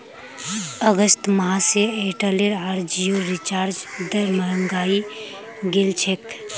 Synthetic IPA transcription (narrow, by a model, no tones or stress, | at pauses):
əɡəst̪maseeʈəleɾaɾd͡ʒijoɾit͡ʃaːɾd͡ʒd̪əməɾəŋɡaːi | ɡelt͡ʃʰek